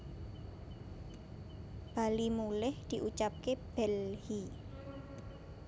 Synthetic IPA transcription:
b̥alimulɪhd̪̥i̤ʔut͡ʃap̚keb̥ɛlhi

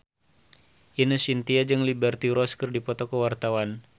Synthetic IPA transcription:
ʔinəsint̪iad͡ʒɨŋlibɛrt̪iɾɔskərdipɔt̪ɔkəwart̪awan

